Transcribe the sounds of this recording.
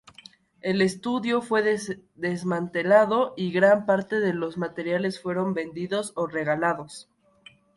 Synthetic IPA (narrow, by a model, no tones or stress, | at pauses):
e̞le̞st̪uðjo̞fwe̞ðd̪ezmãnt̪e̞laðo̞ʔiɣɾampaɾt̪e̞ðe̞lo̞zmat̪e̞ɾjale̞sfwe̞ɾo̞mbe̞nd̪iðo̞sore̞ɣalaðo̞s